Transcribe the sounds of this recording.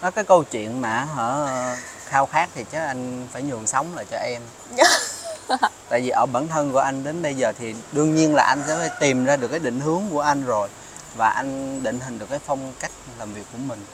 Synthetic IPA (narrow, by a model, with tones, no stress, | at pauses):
nɔ˨˦kaː˨˦jkə˧wt͡ɕwḭ˧˨ənmaː˨˩ɦəː˧˩xaː˧wxaː˦˥k̚t̪ʰi˨˩t͡ɕəː˨˦ʔa˧jŋ̟faː˧˩jɲɨ̰˨˩əŋsa˨˦wŋ͡mlaː˨˩t͡ɕɔ˧ʔɛ˧m | t̪a̰ː˧˨jvi˨˩ʔəː˧˩ɓaː˧˩nt̪ʰə˧nku˧˩əʔa˧jŋ̟ɗe˨˦nɓə˧jzəː˨˩t̪ʰi˨˩ɗɨ˧əŋɲi˧ənlaː˨˩ʔa˧jŋ̟sɛ̰˧˥faː˧˦jt̪i˨˩mzaː˧ɗɨ˨˩kːaː˨˦jɗḭ˧˨ŋ̟hɨ˨˦əŋku˧˩əʔa˧jŋ̟zo˨˩j | vaː˨˩ʔa˧jŋ̟ɗḭ˧˨ŋ̟ɦï˨˩ŋ̟ɗɨ˨˩kːaː˨˦jfɔ˧wŋ͡mka˦˥jk̟̚laː˨˩mvi˨˩əkːu˧˩əmï˨˩ŋ̟